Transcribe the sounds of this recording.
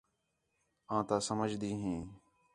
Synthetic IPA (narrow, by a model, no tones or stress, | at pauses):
ãːt̪aːsəməd͡ʒd̪iːɦẽː